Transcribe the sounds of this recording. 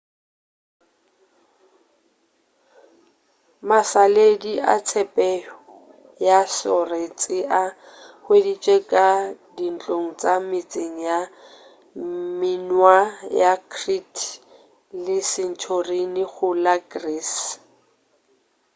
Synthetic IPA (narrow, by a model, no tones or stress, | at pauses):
masalediʔa̰t͡sʰɛpʼɛɔ | jasɔret͡sʼɪʔa | hwedit͡ʃʼekʼadin̩t͡ɬʼoŋ̩t͡sʼamɪt͡sʼeŋ̩ja | mɪnwajakʰritʰ | lɪsɪn̩t͡ʃʰorinɪχʰʊlaɡriːs